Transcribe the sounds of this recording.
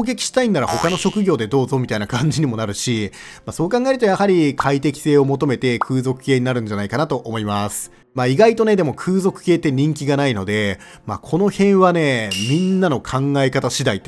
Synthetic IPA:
oːɡe̞kʲi̥ɕi̥t̪ainːaɾa̰ho̞kano̞ɕo̞kɯ̟ɡʲo̞ːd̪e̞d̪o̞ːzo̞mʲit̪ainakãɲ̟d͡ʑiɲ̟imo̞naɾɯ̟ɕi | maso̞ːkãŋɡae̞ɾɯ̟t̪ojahaɾʲikʰait̪e̞kʲi̥se̞ːo̞mo̞t̪o̞me̞t̪e̞kʰɯ̟ːzo̞kɯ̟̥keːɲ̟inaɾɯ̟̃ɲ̟d͡ʑanaikanat̪o̞ʔomo̞imasɨ̥ | maːiɡait̪o̞ne̞d̪e̞mo̞kʰɯ̟ːzo̞kɯ̟̥ke̞ːt̪ːe̞ɲ̟ĩŋkʲiɡanaino̞d̪e̞ | ma̰kʰo̞no̞hẽ̞ɰ̃βane̞mʲĩnːano̞kʰãŋɡae̞kat̪aɕid̪ait̪

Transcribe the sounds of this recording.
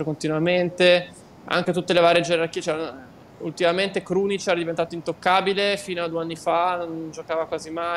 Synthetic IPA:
okont̪inwament̪e | a̰ŋk̟et̪ut̪ːelevaːɾjed͡ʒeɾarkiːt͡ʃɛɾa | ult̪imament̪ekɾuːnit͡ʃɛɾad̪ivent̪aːt̪oint̪okːaːbilefiːnoad̪ueanːifanond͡ʒokaːvakwaːzima

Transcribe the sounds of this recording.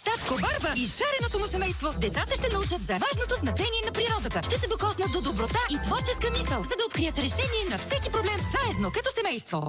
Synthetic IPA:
t̪at̪kobaɾbəiʃaɾɛnot̪omʊsɛmɛjst̪vod̪ɛt̪sat̪əʃt̪ɛnɐut͡ʃət̪zɐvaʒnot̪oznɐt͡ʃɛniɛnɐpɾiɾɔd̪ət̪əʃt̪ɛsɛd̪okɔsnət̪d̪od̪obɾot̪aʔit̪vɔɾt͡ʃɛskəmisəlˠzɐd̪ɐot̪kɾijət̪ɾɛʃɛniɛnɐfsɛkipɾoblɛmzaɛd̪nokɐt̪ɔsɛmɛjst̪vo

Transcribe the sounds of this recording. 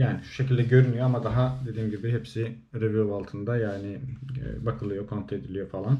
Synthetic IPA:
jaːniʃu̥ʃecʰilʲd̪ɛɟø̞ɾynyjoamad̪aɦad̪e̞d̪iːmɟibiɦɛpsi | ɾeviovalˠt̪ʰɯnd̪ajaːnɪ̰bakʰɯlˠɯjo̞kʰont̪ʰe̞d̪ilʲijo̞falˠan

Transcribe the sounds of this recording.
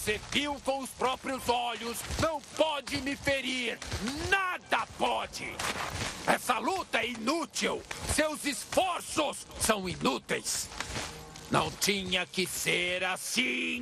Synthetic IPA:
seviwkõw̃ʊspɾɔpɾjʊzɔʎʊsnɐ̃w̃pɔd͡ʒɪmɪfeɾiɾnad̪ɐpɔd͡ʒɪ̰ | ɛsɐlut̪ɐɛinut͡ʃiwsewzɪsfɔɾsʊsːɐ̃w̃inut̪ejs | nɐ̰̃w̃t͡ʃĩɲɐkɪseɾasĩ

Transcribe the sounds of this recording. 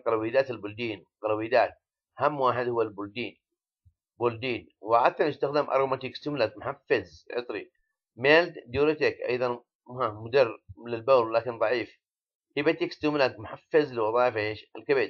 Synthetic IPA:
qɑlwiːd̪aːt̪ɪlbʊld̪iːnqɑlwiːd̪aːt̪̚ | hamːwaːħɪd̪hʊwːalbʊld̪iːn | bʊld̪iːn | wɪʕat̪ːanɪst̪axd̪amʔɑ̰ɾˤomat̪iːkst̪ʊmlakmʊħafːɪzʕɪ̰t̪ˤɾḭ | maːld̪uːɾat̪akʔɑ̰jðˤɑn | amʊd̪ɑrːlɪlbaːlːaːkɪnðˤɑʕiːf | hɪbat̪iːkst̪umlakmʊħafːazlɪwɑðˤɑːʕɪfaeːʃalkabɪt̪

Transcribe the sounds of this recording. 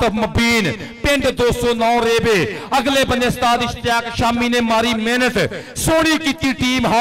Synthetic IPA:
əmɐbiːn | pẽɳɖd̪oːsoːnɔːɾeːbeːɐɡleːbɐ̃nd̪est̪aːzɪʃt̪jaːkʃaːminẽːmaːɾiːmeːnət̪soːɽiːkit̪ːiʈiːmɦa

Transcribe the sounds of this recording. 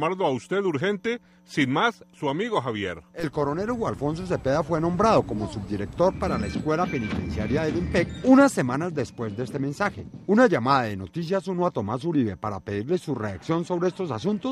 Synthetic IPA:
maɾloaust̪eðuɾxent̪e | sinmasːuamiɣo̞xaβjeɾe̞lko̞ɾo̞ne̞ɾoɣwalfo̞ns̬o̞s̬e̞pe̞ðafwe̞nõ̞mbɾað̞o̞ko̞mo̞sub̚d̪iɾe̞k̚t̪o̞ɾpaɾalaeskwe̞lape̞nit̪e̞̰nsjaɾjaðelimpekunasːe̞manazd̪espwe̞zd̪eest̪emẽ̞nsaxe̞unaʝamaðaðe̞no̞t̪is̬jasunoat̪omasuɾiβe̞paɾape̞ðiɾle̞sure̞aksjo̞nso̞βɾeest̪o̞s̬asunt̪o̞s

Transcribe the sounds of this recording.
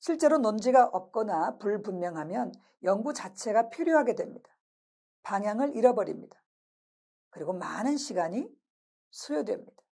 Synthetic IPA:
ɕʰiɭt͡ɕ͈e̞ɾonond͡ʑiɡaʔʌp̚k͈ʌnapuɭpunmjʌŋɦamjʌn | jʌŋɡut͡ɕat͡ɕʰe̞ɡapʰiɾjoɦaɡe̞dwe̞mɲid̥ḁ | paŋɦjaŋɯɾiɾʌbʌɾḭmɲid̥ḁ | kɯɾiɡomanɯnɕʰiɡaɲi | sʰujodwe̞̰mɲid̥ḁ

